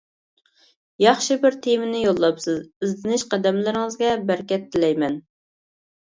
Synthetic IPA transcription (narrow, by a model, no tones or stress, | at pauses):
jɑχʃɨbɪɾt̪ʰemɪnɪjolˠːɑpsɨzɪzlɪnɪʃqæd̪ɛmlɪɾɪŋəzɡʲɛbæɾkʲɛt̪ʰːɪlɛjmɛn